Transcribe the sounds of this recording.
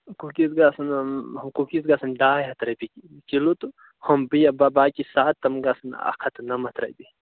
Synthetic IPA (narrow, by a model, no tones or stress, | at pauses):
kukisɡaːsɐnhɐmkukisɡasɐnɖaːjɦɐt̪ɾɐbiki | kilut̪u | hɐmbɨjɐbabaːkʲisaːt̪ːɐmɡasɐna̰kʰɐt̪ɨnɐmɐt̪ɾɐ̰jbi